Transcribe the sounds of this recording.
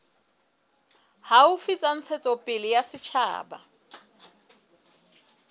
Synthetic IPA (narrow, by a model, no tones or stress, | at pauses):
haufit͡sʼan̩t͡sʰɛt͡sʼɔpʼɪlɪjasɪt͡ʃʰa̰ːba̰